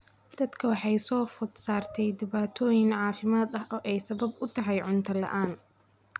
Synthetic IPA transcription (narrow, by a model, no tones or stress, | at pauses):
d̪̥ɐd̪kʰɐwɑħɑjsɔːfʊd̪saːrt̪ʰɛjd̪ɪβaːt̪ʰɔːjɪŋʕɑːfɪmaːd̪ɐɦʔɔːʔɛjsɐβɐbʊt̪ʰɐɦɑjʕʊnt̪ʰɐlɐ̰ʔaːn